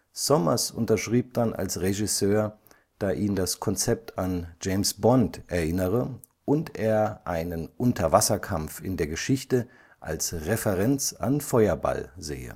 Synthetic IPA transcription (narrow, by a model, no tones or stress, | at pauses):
sɔmɐsʊ̰ntɐʃʁ̥iːp̚d̥anʔa̰lsʁeʒɪsøːɐ | d̥aːʔiːndaskʰɔnt͡sɛp̚tʰand͡ʒeɪmsb̥ɔntʔɛɐʔɪnəʁə | ʔʊntʔeːɐʔaɪnənʔʊntɐvasɐkʰamfɪndeːɐɡəʃɪçtə | ʔa̰lsʁefɛʁɛnt͡sa̰nfɔʏɐba̰lzḛːə̰